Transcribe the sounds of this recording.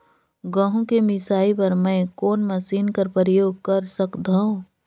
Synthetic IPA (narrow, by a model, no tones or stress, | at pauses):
ɡɐ̃ɦũkemɪsaːipɐɾmɛ̃ːkoːnmɐsiːnkɐɾpɾəjoːɡ̚kɐɾsɐkd̪ʱaõ